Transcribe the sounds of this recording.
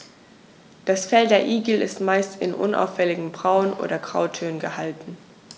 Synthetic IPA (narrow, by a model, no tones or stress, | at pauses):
d̥asfɛldeːɐʔiːɡl̩ɪ̰stmaɪstʰɪ̰nʔʊ̰nʔa̰ʊfɛlɪɡŋ̩bʁaʊənʔo̰ːdɐɡʁ̥a̰ʊtʰøːnənɡəhaltn̩